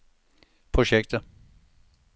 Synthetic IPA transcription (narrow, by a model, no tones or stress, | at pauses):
pʰʁʊɕɛkt̪ə